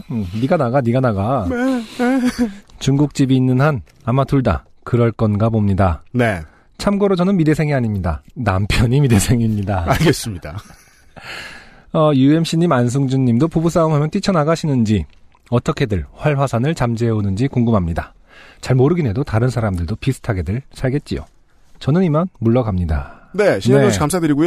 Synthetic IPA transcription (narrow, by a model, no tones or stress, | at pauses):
niɡanaɡaniɡanaɡa | t͡ɕuŋɡuk̚t͡ɕ͈ibiːnːɯnhan | amatuɭda̰ | kɯɾʌɭk͈ʌnɡabomɲidane̞ | t͡ɕʰamɡʌɾot͡ɕʌnɯnmide̞sʰe̞ŋiaɲimɲida̰nampʰjʌɲimide̞sʰe̞ŋimɲidaaɭɡes͈ɯmɲid̥a | ʌjue̞mɕ͈iɲimans̬ʰuŋd͡ʑuɲːimdopubus͈aɯmɦamjʌnt͈it͡ɕʰʌnaɡaɕʰinɯnd͡ʑi | ʌt͈ʌkʰe̞dɯɭɸwaɭɸwasʰanɯɭt͡ɕamd͡ʑeonɯnd͡ʑikoŋɡɯmɦamɲida | t͡ɕaɭmoɾɯɡinɦe̞dotaɾɯnsʰaɾamdɯɭdopisʰɯ̥tʰaɡe̞dɯɭsʰaɭɡe̞t̚t͡ɕ͈ijo̰ | t͡ɕʌnɯnimanmuɭːʌɡamɲida̰ne̞ɕʰiɲʌkamsʰadɯɾiɡujo